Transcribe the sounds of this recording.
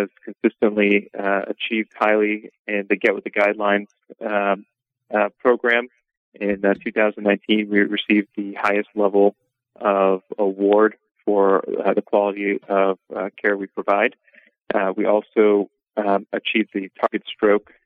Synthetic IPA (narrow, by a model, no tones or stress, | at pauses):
ɨz̥kʰn̩sɪstɨ̃nʔliɨ̰t͡ʃʰivd̚haɪlˠiɪ̃nðɨɡɛʔ̚wəðɨɡaɪdˡlãɪ̃nz̥ | pʰɹ̥oʊɡɹæ̃m | ɪ̃ntʰʉθaʊznnãɪ̃ntʰĩnwiɹɨsivðɨhaɪɨstˡlɛvl̩ˠ | ʔʌvəwɔɹd̥ | fə˞ðɨkʰw̥ɑlˠəɾiʌv̥kʰɛɹwipʰɹ̥ɨvaɪd | wiʔɔlˠsoʊ | ɨt͡ʃʰivðɨtʰɑɹɡɨtstɹ̥oʊk